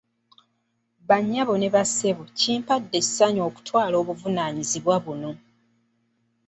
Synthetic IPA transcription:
βaɲːaβo̞neβase̞βuciːmpadːe̞̥saɲo̞ːku̥twaːlo̞ːβuvunaːɲiziβwaβuno̞

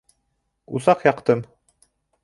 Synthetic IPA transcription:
ṵsɑqjɑqt̪ɤm

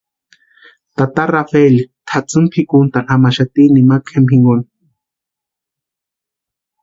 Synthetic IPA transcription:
t̪at̪arafelit̪ʰat͡sɨmpʰikunt̪anamaʃat̪inimakʰemhiŋɡoni

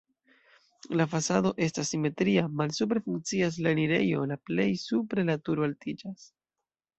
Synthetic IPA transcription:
lafasado̞ʔe̞stasːime̞tɾiamalsup̬ɾefuŋk̚t͡sias̬laniɾe̞jo̞laple̞jsupɾe̞latuɾoaltid͡ʒas

